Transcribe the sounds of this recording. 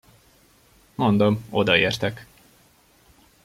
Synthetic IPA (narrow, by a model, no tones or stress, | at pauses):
mo̞nd̪omo̞d̪ɒeːrt̪ɛk